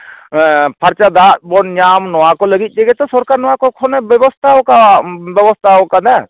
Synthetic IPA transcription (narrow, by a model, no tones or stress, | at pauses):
pʰaɾt͡ʃad̪at̪̚bɔnɲamnɔwakɔləɡit̪̚ˀd͡ʒɛɡɛt̪ɔsɔɾkaɾnɔwakɔkʰɔnɛbɛbɔst̪ʰaɔkabɛbɔst̪ʰaɔkad̪a